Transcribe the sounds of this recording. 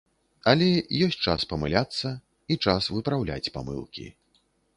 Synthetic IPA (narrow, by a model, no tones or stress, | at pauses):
ɐlʲɛjɔsʲt͡sʲt͡ʂaspɐmɨlʲat̪sːɐ | it͡ʂasvɨpɾawlʲa̰t͡sʲpa̰mɨ̰lˠkʲḭ